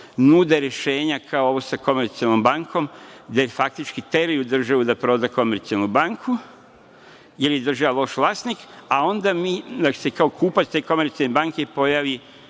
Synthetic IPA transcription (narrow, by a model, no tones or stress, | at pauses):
nuːd̪eɾeʃe̞ːɲakʰaooʋosako̞meɾt̪sialno̞mbaŋkʰo̞md̪efak̚t̪it͡ʃkit̪e̞ɾiud̪r̩ʒaʋud̪apɾo̞ːd̪ako̞meɾt̪sialnubaŋkʰu | jeɾje̞d̪r̩ʒaʋalˠo̞ʃʋlˠast̪nikao̞nd̪amiːd̪ḁsekaokuːpast̪e̞ːko̞me̞ɾt̪sialnebaŋkepo̞jaʋi